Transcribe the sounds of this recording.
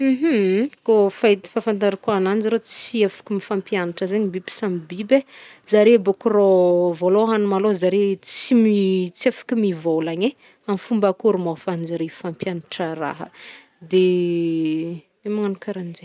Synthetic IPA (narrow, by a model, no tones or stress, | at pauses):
ɦ̩kofat̪i̥fafant̪aɾikuanand͡ʒiɾot͡siefḁkumifampjanaʈ͡ʂəzaɲibibi̥samibibezaɾebokurovoloɦanumalozaɾet͡simit͡siefḁkimivolaɲe | amfumbakuɾumofand͡ʒiɾefampjanaʈ͡ʂəɾa̰ɦə̰ | d̪e | emaanukaɾand͡ʒe